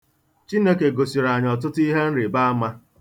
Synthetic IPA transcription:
t͡ʃi˦ne˦ke˨ɡo˨si˨ɾa˨ɲ˨ɔ˨t̬ʊ˦tʊ˦i˦ɦe˦n̩˦ɾɪ˨ba˦a˦ma˦

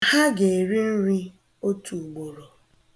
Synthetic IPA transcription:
ha˦ɡe˨ɾi˦n̩˦ɾi˦ | o˦tu˨ɡ͡bo˨ɾo˨

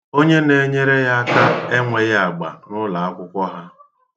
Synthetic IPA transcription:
o˦ɲe˦ne˨ɲe˦ɾe˦ja˦ka˦e˦ŋʷe˨ɣa˨ɡ͡ba̰˨nʊ˦la˨a˦kʷʊ˦kʷɔ˦ɦa˦

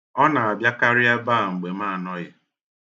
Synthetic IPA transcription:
ɔ˦na˨a˨bja˦ka˦ɾɪ˦a˦ba˦˨ŋ͡m̩˨ɡ͡be˨ma˦˨nɔ˦ja˨

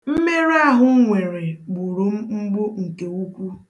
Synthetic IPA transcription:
m̩˦me˦ɾa˦ɦʊ˦ŋʷe˨ɾe˨ɡ͡bʊ˨ɾu˨m̩˦ŋ͡m̩˦ɡ͡bo˦ŋ̩˨ke˨u˦kʷu˦

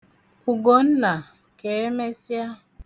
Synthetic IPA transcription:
u˨ɡo˨n̩˦na˨ | ke˨e˦me˦sja˦

